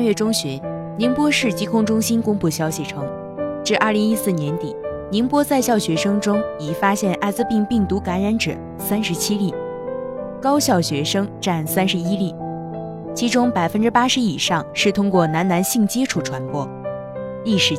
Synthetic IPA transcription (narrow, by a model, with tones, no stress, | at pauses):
nɥɛ˥˩ʈ͡ʂʊ˥ŋɕy˧˥n | ni˧˥ŋpwɔ˥ʂɻ̩˥˩t͡ɕi˥kʰʊ˥ŋʈ͡ʂʊ˥ŋɕi˥nkʊ˥ŋpu˥˩ɕjɑ˥ʊɕi˥˩ʈ͡ʂʰɤ˧˥ŋ | ʈ͡ʂɻ̩˥˧ʔɐ˞˥˩li˧˥ŋi˥sɹ̩˥˩njɛ˧˥nt̪ḭ˨˩˦ | ni˧˥ŋpwɔ˥t͡sa˥˧ɪɕjɑ˥˩ʊɕɥɛ˧˥ʂɤ˥ŋʈ͡ʂʊ˥ŋi˨˩fa˥ɕjɛ˥˧nʔa˥˧ɪt͡sɹ̩˥˧pi˥˧ŋpi˥˩ŋt̪u˧˥ka˧˥nɻa˧˥nʈ͡ʂ̩˨˩ | sa˥nʂɻ̩˧˥t͡ɕʰi˥li˥˩ | kɑ˥ʊɕjɑ˥˩ʊɕɥɛ˧˥ʂɤ˥ŋʈ͡ʂa˥˩nsa˥nʂɻ̩˧˥i˥li˥˩ | t͡ɕʰi˧˥ʈ͡ʂʊ˥ŋpa˨˩ɪfə˥nʈ͡ʂɻ̩˥pa˥ʂɻ̩˧˥i˨˩ʂɑ˥˧ŋʂɻ̩˥˩t̪ʰʊ˥ŋkwɔ˥˩na˧˥nna˧˥nɕi˥˩ŋt͡ɕɛ˥ʈ͡ʂʰu˥˩ʈ͡ʂʰwa˧˥npwɔ˥ | li˥˩ʂɻ̩˧˥